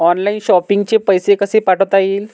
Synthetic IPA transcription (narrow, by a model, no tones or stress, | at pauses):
ɔnlainɕɔpiŋɡt͡ɕepəjsekəsepaʈət̪aiːl